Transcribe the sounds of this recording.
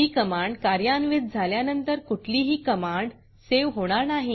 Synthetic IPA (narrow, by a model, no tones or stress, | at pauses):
ɦiːkəmaɳɖkaɾjanʋid̪̚d͡zʱaljanənt̪əɾkuʈʰliːɦiːkəmaɳɖ | seʋɦoɽ̃aɾnaɦi